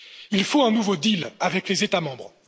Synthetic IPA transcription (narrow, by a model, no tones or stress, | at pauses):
ilfoɛ̃nuvod̪ilavɛklezet̪amɑ̃bʁ